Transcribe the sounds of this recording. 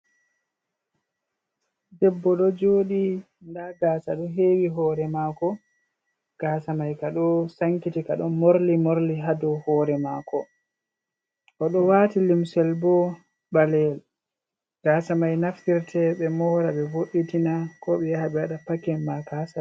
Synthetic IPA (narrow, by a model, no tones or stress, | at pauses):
dɛbːɔɗɔd͡ʒoːɗi | ndaɡaːsaɗɔɦeːwiɦɔːɾɛmaːkɔ | ɡ̥aːsamajkaɗɔsaŋkitikaɗɔnmoɾlimoɾliɦadɔhɔːɾɛmakɔ | ʔɔɗɔwatilimsɛlbɔ | balɛl | ɡ̥asamajnaftiɾtʰɛɓɛmɔɾaɓɛvoɗːitinakɔɓɛjahaɓɛwaɗapakɛmmakasa